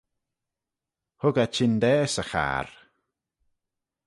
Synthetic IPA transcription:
hʊɡat͡ʃʰɪnd̪ɛːsəxa̰ːɾ

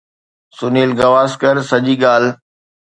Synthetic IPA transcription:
sʊneːlɡɐʋaːskəɾsɐʄiːɠaːl̤

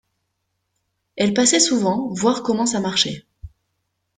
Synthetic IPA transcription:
ɛlpasɛsuvɑ̃vwaʁkɔmɑ̃s̬amaʁʃe

